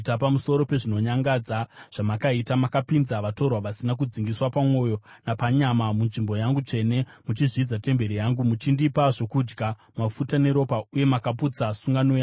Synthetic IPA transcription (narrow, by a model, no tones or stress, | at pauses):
tapamuso̞ɾo̞pe̞ʐino̞ɲaŋɡad͡zaʐ̥amakaitamakapinzaʋato̞rwaʋasinak̬ud͡ziŋɡiswapamwo̞jo̞napaɲamamunʐimbo̞jaŋɡut͡ʂe̞ne̞mut͡ʃiʐid͡zate̞mbe̞ɾijaŋɡumut͡ʃindipaʐo̞kud͡ʒɡa | mafutaneɾo̞pauje̞makaput͡sasuŋɡanoja